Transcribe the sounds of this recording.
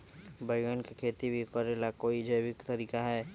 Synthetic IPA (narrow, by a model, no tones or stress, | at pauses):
bəɪɡənkekʰeːt̪ibʱikɔɾeːlakoːid͡ʒəjwɪkt̪ɐɾiːkaɦɛː